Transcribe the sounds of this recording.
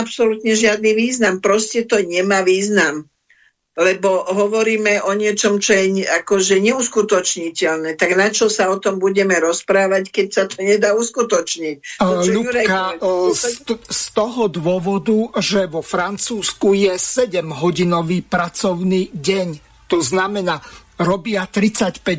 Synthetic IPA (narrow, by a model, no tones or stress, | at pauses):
apsɔlut̪ɲɛʒɪad̪niʋiːznampɾɔscɛt̪ɔɲɛmaːʋiːznam | lɛbɔɦɔʋɔɾiːmɛʔɔɲɪɛt͡ʃɔmt͡ʃɔjɛɲakɔʒɛɲɛuskut̪ɔt͡ʃɲicɛlnɛːt̪aɡnat͡ʃɔsaɔt̪ɔmbuɟɛmɛɾɔspɾaːʋackɛcsat̪ʰɔɲɛd̪aːuskut̪ɔt͡ʃɲic̚ʎuuaka | st̪ɔɦɔd̪wʊɔʋɔd̪uʒɛʋɔfɾant͡suːskujɛsɛɟɛmɦɔɟinɔʋiːpɾat͡sɔʊniːɟɛɲ | t̪ɔznamɛnaːɾɔbɪat̪ɾit͡sacpɛ